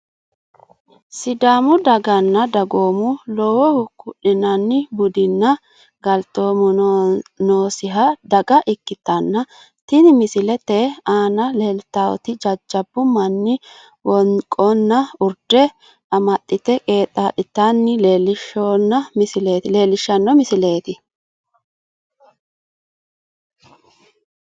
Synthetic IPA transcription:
sɪd̪aːmʊd̪ɐɡɐnːɐd̪ɐɡoːmʊlɔwɛhʊkːʊʔɪnɐnːɪbʊd̪ɪnːɐ | ɡɐlt̪o̞ːmʊ | noːsɪɦɐd̪ɐɡɐʔɪkːɪt̪ːɐnːɐ | t̪ɪnmɪsɪlɛt̪eaːnɐleːlt̪ːaw̰t̪ɪd͡ʒɐd͡ʒːɐbːʊmɐnːɪ | wɔnkʼɔnːɐʊɾd̪ɛ | ɐmɐtʼːɪt̪ɛkʼe̞ːt̪ʼːaːᶑ̪ɪt̪ːanːɪle̞ːlːɪʃːoːnːɐmɪsɪleːt̪ɪle̞ːlɪʃːɐnːɔmɪsɪle̞ːt̪ɪ

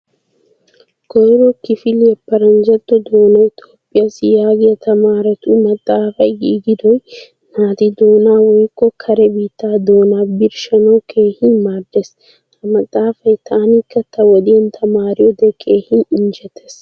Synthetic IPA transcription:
kɔjɾokɪfilɛpːɐɾɐnd͡ʒɐt̪ːɔd̪oːnɐjt̪oːpːɪjɐsijaːɡɛjɐt̪ʰɐmaːɾɐt̪umɐt̪ʼːaːfɐjɡiːɡid̪oj | naːt̪id̪oːnaːwɔjkːɔkʰɐɾɛbiːt̪ːaːd̪oːnaːbiɾʃɐnokeːhɪnmaːɾd̪es | t̪ɐmɐt̪ʼːaːfɐjt̪ʰaːnikːɐt̪ːɐwɐd̪iɐnt̪ʰɐmaːɾijɔd̪ekʰːeːhinɪnd͡ʒɐt̪ɛs

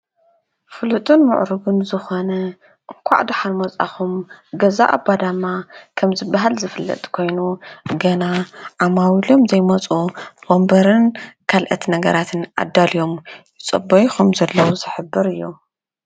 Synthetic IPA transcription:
fɨlɨt̪ʼɨnmʊ̰ʕɾɨɡunzɨxonɐ | kʷʰa̰ʕd̪uħanmɐt͡sʼa̰xumɡɐzaʔa̰bːad̪amːakʰɐmzɨbːaɦalzɨfɨlːɐ̰t̪ʼkʰo̞jnuɡɐnaʕamawilo̞mzɐjmɐt͡sʼuwombɐɾɨnkʰalʔɐt̪nɐɡɐɾat̪ʰɨnʔa̰d̪ːalijo̞m | ɪt͡sʼɐ̰bːɐjixumzɐlːɐwuzɨħɨbːɨɾɨjːu

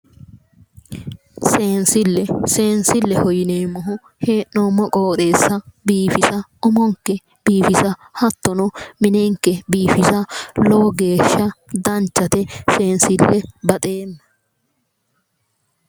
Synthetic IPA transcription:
seːnsɪlːɛse̞ːnsɪlːɛhɔjɪneːmːɔɦʊ | heːʔnɔmːɔkʼoːt̪ʼe̞ːsːɐbiːfɪsɐɔmɔŋkːɛ | b̥iːfɪsɐhɐt̪ːɔnɔmɪneːŋkːɛbiːfɪsɐlɔːɡe̞ːʃːɐd̪ɐnt͡ʃːɐt̪ɛse̞ːnsɪlːɛbɐt̪ʼe̞ːnːɐ

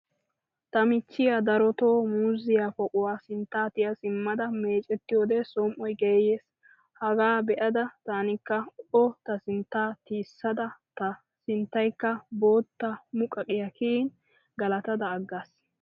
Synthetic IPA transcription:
t̪ɐmɪt͡ʃːɪjad̪ɐɾɔt̪o̞ːmuːzɪjapɔkʼʊwaːsɪnt̪ːaːt̪ɪjɐsɪmːɐd̪ɐme̞ːt͡ʃʼɛt̪ːɪjoːd̪ɛsɔmʔɔjɡeːjeːs | hɐɡaːbɛʔɐd̪ɐt̪aːnɪkːɐɔt̪ɐsɪnt̪ːaːt̪iːsːɐd̪ɐt̪ɐ | sɪnt̪ːɐjkːɐbo̞ːt̪ːɐmʊkʼɐkʼɪjɐkʰiːn | ɡɐlɐt̪ɐd̪ɐːɡːaːs

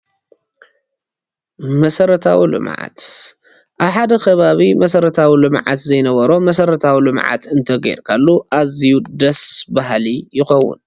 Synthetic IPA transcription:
mɐsɐɾɐt̪ʰawilɨ̰mʕa̰t̪ | ʔaβħad̪ɐkʰɐβaβimɐsɐɾɐt̪ʰawilɨmʕa̰t̪zɐjnɐβɐɾo̞mɐsɐɾɐt̪ʰawilɨmʕa̰t̪ɨnt̪ʰɐɡej̰ɾkʰalːuʔazijud̪ɐsbaɦlijɪxɐwːṵn

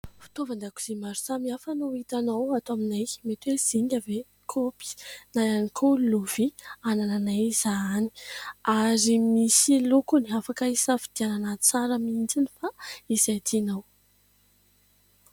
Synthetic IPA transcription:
fi̥t̪ovand̪aku̥z̥emaɾu̥samiafanoit̪anawat̪oaminajmet̪wez̥iɲave | kʰopi̥najanikʰoluv̥ianananajz̥ani̥aɾimisilukuniafakəisəfid̪̥iananat͡saɾəmind͡zinifaisat̪ʰinaw

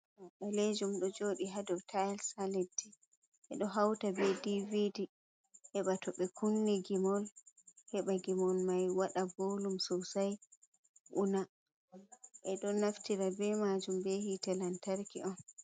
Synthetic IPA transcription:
ɗaled͡ʒumɗɔd͡ʒoɗiɦadɔwtʰajlsaledi | ʔɛ̰ɗɔɦawtabɛdividi | ʔɛɓatɔɓɛkunːɛɡimɔlhɛɓaɡimɔlmajwaɗabolumsɔwsaj | ʔuna | ʔɛɗɔnaftiɾabɛmad͡ʒumbɛhitalantaɾkiʔɔn

